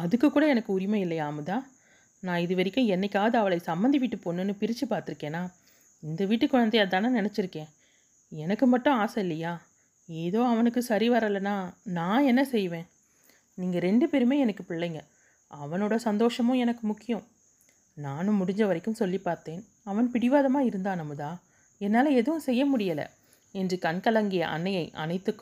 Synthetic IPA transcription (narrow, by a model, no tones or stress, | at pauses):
ɐðɯkːɯkːuːɽɐɛnɐkːɯʊɾɪmɐɪlːɐjaːmɐðaː | nãːɪðɯʋɐɾɪkːʊ̃ɛnːɛkʲːaːðɯɐʋɐɭɐɪsɐmbɐnd̪iʋiːʈːɯpoːnːɯnːɯpɪɾɪt͡ʃːɯpaːɾt̪ɪɾɯkːẽːnːaː | ɪnd̪ɐʋiːʈːɯkːʊɻɐnd̪ɐjɐt̪ːãːnanɪnɛt͡ʃːɪɾɯkːẽː | ɛnɐkːɯmɐʈːʊ̃aːsɐɪlːɐjaː | eːðoːɐʋɐnɯkːɯsɐɾiʋɐɾɐlːɐnːaːnãːɛnːɐsɛjʋẽː | niːŋɡɐɾɛɳɖɯpeːɾɯmeːɛnɐkːɯpɪɭːɐŋɡɐ | ɐʋɐnoːɽɐsɐnd̪oːʂɐmʊ̃ɛnɐkːɯmʊkːɪjɐ̃ | naːnɯ̃mːʊɽɪɲd͡ʒɐʋɐɾɐɪkːɯmsɔlːipaːɾt̪eːn | ɐʋɐnpɪɽɪʋaːðɐmaːɪɾɯnd̪aːnɐmːɯðaː | ɛnːaːlɐɛðɯʋʊ̃sɛjːɐmʊɽɪjɐlɐ̰ | ɛndrɯkɐnkɐlɐŋɡɪjɐ̰ʔɐ̰nːɐjɐɪʔɐ̰nɐɪt̪ːɯkːɯ̃